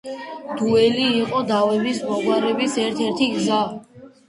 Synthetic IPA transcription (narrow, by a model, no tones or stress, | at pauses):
d̪̥uɛliːqʼɔd̪avɛbismɔɡwaɾɛbisɛɾt̪ʰɛɾt̪ʰiɡza